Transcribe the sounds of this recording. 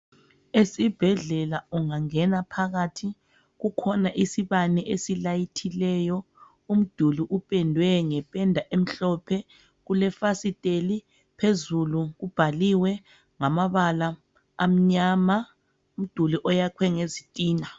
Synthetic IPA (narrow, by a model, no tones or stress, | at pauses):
esib̥ʱɛɮɛlauŋaŋɛnapʰaɣatʰi | ɣukʰɔnaʔisiβanɛʔesilajitʰilɛjɔ | um̩d̥ʱuliʔupʼɛndʱwɛŋɛpʼɛndʱaʔem̩ɬɔpʰɛ | ɣulɛfasitʼeli | pʰezuluɣub̥ʱaliwɛ | ŋamaβalaː | m̩ɲaːma | um̩d̥ʱuliʔɔjakʰwɛŋezitʼiːna